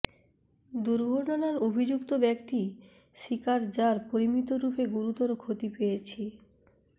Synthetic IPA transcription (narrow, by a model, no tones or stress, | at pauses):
d̪uɾɡʱoɾʈonaɾobʱid͡ʑukt̪obɛk̚t̪i | ʃikaɾd͡ʑaɾpoɾimit̪oɾupeɡuɾut̪ɔɾokʰot̪ipejet͡ɕʰi